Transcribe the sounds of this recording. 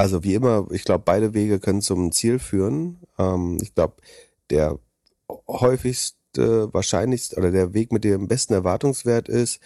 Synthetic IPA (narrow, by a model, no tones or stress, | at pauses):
ʔalzoviːʔɪmɐʔɪçɡ̥laʊbəb̥aɪɾəveːɡəkʰœnənt͡sʊmt͡siːlfyːʁənʔɛːmʔɪ̰çɡ̥laʊbə | d̥eːɐ | hɔʏfɪçstə̰va̰ːɐʃa̰ɪnlɪçstʔoːdɐdeːɐveːkmɪt̚d̥eːmbɛstn̩ɛɐvaɐtʊŋsv̥eːɐtɪst